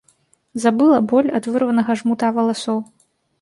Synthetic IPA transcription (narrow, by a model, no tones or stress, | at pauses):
zabɨlˠɐbɔlʲad̪vɨrvɐnɐɣɐʐmut̪avɐlˠasɔw